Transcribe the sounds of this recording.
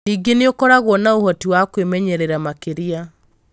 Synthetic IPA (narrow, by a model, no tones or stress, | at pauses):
iɡeneokɔɾaɣwɔnaohɔtiwakwemɛɲɛɾeɾamakeɾia